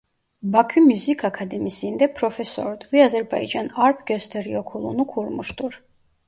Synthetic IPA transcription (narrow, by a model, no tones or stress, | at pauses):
bakʰymyzikʰakʰad̪ɛmisind̪ɛpʰɾɔfɛsɔ̰ɾd̪vɛazɛɾba̰jd͡ʒanaɾpʰɡœst̪ʰɛɾiɔkʰulˠṵnukʰuɾmuʃd̪uɾ